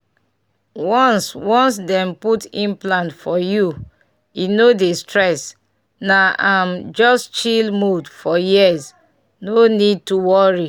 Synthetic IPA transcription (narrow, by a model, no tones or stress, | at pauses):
wɔ̃nswɔ̃nsdɛ̃mputĩnplãntfɔju | inodestɹɛs | naʔamd͡ʒɔstt͡ʃilmudfɔjiəz | nonid̚tuwɔɹi